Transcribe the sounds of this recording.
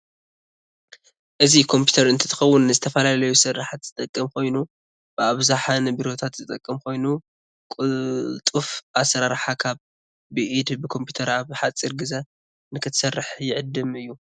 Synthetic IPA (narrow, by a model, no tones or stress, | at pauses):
ʔɨzikʰo̞mpʰu̥t̪ʰɐɾɨnt̪ʰɐ̥t̪ʰɨ̥xɐwːʊnːɨzɨt̪ʰɐfɐlalɐjusɨrːaħat̪z̥ɨt̪ʼɐkʼːɨmkʰo̞jnu | b̥ɨaβzaħanɐβiɾo̞t̪ʰat̪zɨt̪ʼɐkʼːɐmkʰo̞jnu | kʼt̪ʼufʔasɐɾaɾħakʰaβː | ɨʔid̪bɨkʰo̞mpʰjut̪ʰɐɾaβħat͡sʼiɾɡɨza | nɨkʰɨt̪sɐrːɨħjɪʕɨd̪ːɨmɨjːu